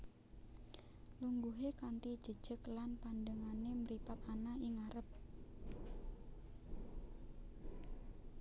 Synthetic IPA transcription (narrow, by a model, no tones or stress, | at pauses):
luŋɡuɦekant̪id̥ʒ̥ə̤d̥ʒ̥ə̤klanpandəŋaneməɾipat̪anaiŋaɾəp̚